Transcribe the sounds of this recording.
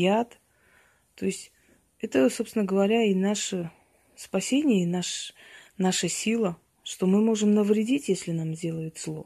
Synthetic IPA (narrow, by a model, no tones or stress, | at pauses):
jat̪ | t̪ːo̞ɪsʲtʲ | ɛt̪əso̞psnəɡəvɐɾʲainaʂə | spɐsʲenʲɪjəinaʂnaʂəsʲilˠə | ʂt̪o̞mɨmo̞ʐɨmnəvɾʲɪdʲitʲjesʲlʲɪnamzʲdʲe̞lˠəjɪt̪slˠo̞̰